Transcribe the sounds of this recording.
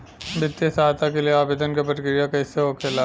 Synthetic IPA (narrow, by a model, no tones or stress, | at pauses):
bɪt̪ːjəsaːt̪ʰakelieaːbeːd̪ənkepɐʈkɪɾijãkɐiseɦokʰela